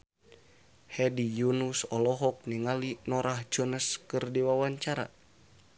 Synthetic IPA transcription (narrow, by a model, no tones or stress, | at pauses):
hɛdijunusɔlɔɦɔk̚niŋalinɔɾahd͡ʒɔnəskɨrdiwawaɲt͡ʃaɾa̰